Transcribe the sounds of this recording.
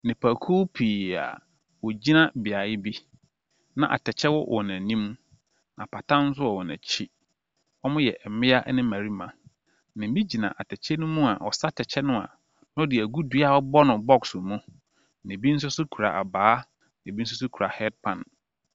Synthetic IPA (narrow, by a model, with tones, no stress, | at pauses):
nɪ̃˨pʰa˨kʰu˦pʰiː˨a̰˨ | wɔ˨d͡ʑi˦nã˦bɪ˨a˨jɪ˦bi˦ | nã˨ʔa̰˨tʰɛ˨t͡ɕʰɛ˦wɔ˦wʔɔ˨næ̃˨nĩ˦m | nã˨pʰa˨tʰã˦n̩˦s̬ʊ˦ɔ˨wɔ˨nã̰˨t͡ɕʰi˦ | ɔ˦mʊ̃˦jɛ˨ʔɛ˨mɪ̃˦a˦ʔnɪ̃˦mæ̃˨ɾi˦mã˨ | nɪ̃˨m˦bĩ˦d͡ʑi˨nã̰˨ʔa˨tʰɛ˨t͡ɕʰɛ˦nʊ̃˦mũ˦a˨ʔɔ̰˨sa˦tʰɛ˨t͡ɕʰɛ˦nʊ̃˦a̰˨ | nʊ̃˦ɔ˦dɪ˨æ˨ɡu˦du˦a˦ɔ˦bɔ˦nʊ̃˨bɔ˦ksʊ˨mũ˦ | nɪ̃˨bi˦n̩˦s̬ʊ˦sʊ˦kʰu˨ɾa̰˨a˨baː˨˦ | nɪ̃˨bi˦n̩˦s̬ʊ˦s̬ʊ˦kʰu˨ɾa˨hɛ˦d̚pʰã˨n